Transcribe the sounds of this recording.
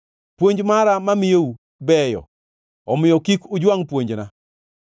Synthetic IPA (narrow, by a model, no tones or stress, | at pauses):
pwoɲd͡ʒmaɾamamɪjeu | bɛjɔ̰ | ɔmɪjɔkikʊd͡ʒwaŋpwoɲd͡ʒna